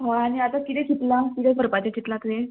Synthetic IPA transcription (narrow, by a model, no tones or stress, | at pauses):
ɦaañiat̪akit̪ɛkʰit̪lakit̪ɛpəɾpat̪ekit̪lakle